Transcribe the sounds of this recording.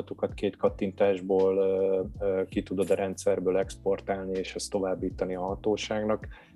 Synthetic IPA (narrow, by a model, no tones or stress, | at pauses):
t̪okɒt̪keːt̪kɒt̪ːint̪aːʒboːlː | kit̪ud̪od̪ɾɛnt̪sɛrbøːlɛkspo̞rt̪aːlnieːʃɛst̪ːo̞vaːbːiːt̪ɒniɒɦɒt̪oːʃaːɡnɒk